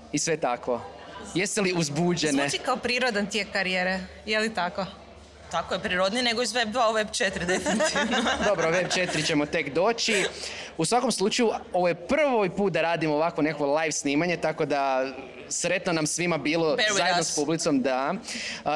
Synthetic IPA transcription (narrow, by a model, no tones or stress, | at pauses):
isʋe̞t̪akʋo̞ | jest̪eliuzbuːd͡ʒenet̪ikaopɾiːɾod̪ant̪jekkaɾijeːɾe | jelit̪ako | t̪akojepɾiɾod̪nineɡoizʋeb̚d̪ʋauʋebt͡ʃet̪ɾid̪a | d̪o̞bɾoʋebt͡ʃe̞t̪ɾit͡ɕe̞mot̪e̞kd̪o̞ːt͡ɕiusʋako̞mslˠut͡ʃajuo̞ʋojepr̩ʋojpuːt̪̚d̪aɾaːd̪imoːʋakʋo̞nekakʋo̞lˠajʋsniːmaɲet̪ako̞d̪a | sɾe̞t̪nonamsʋimabiːlˠozajed̪nospublit̪somd̪a